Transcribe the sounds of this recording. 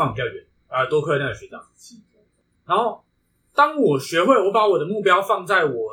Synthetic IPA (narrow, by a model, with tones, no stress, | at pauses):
ɑ˥˨ŋpjɑ˥˧ʊɥɛ˨˦n | ə˧˩t̪wɔ˥kʰɤ˥˧˩na˥˩˨ɕɥɛ˨˦˥t͡ɕa̰˥˩ŋt͡ɕi˥˩˥ | na˧˦nho˥˩ʊ | t̪ɑ˦ŋwɔ˨˩ɕɥɛ˧˦xwe˥˨ɪwɔ˨˥pa˧˥wɔ˨˩d̪ə˦mu˥˨˩pjɑ˦˥ʊfɑ˥˧ŋt͡sa˥˨˩ɪwɔ˨˩